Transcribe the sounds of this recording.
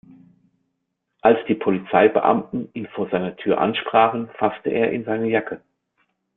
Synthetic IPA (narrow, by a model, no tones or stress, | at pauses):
ʔalsd̥iːpʰolit͡saɪbə̰ʔa̰mtn̩ʔiːnfoːɐzaɪnɐtʰyːɐʔa̰nʃpʁ̥aːχn̩fastəʔḛːɐʔɪnzaɪnəjakʰə